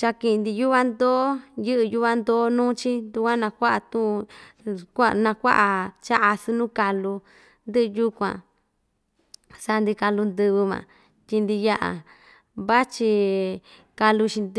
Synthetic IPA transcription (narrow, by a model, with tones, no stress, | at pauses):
t͡ʃa˧ki˧˨˧nd̪i˧ju˦βa˦nd̪oː˦jɨ˦ʔɨ˧ju˦βa˧nd̪oː˦nũː˦t͡ʃi˦nd̪u˧kʷã˦nã˧kʷa˦ʔa˧˨t̪ũ˦ʔkʷa˦˧nã˧kʷa̰˦ʔa˧t͡ʃa˦ʔa˧sɨ˧nũ˦ka˧lu˧ | nd̪ɨ˦ʔju˦kʷã̰˨ | sa˧nd̪i˧ka˧lu˧nd̪ɨ˧βɨ˧mã̰˨ | tʲi˧nd̪i˧ja˦ʔa̰˨ | βa˦t͡ʃi˧ | ka˧lu˧t͡ʃi˧n˧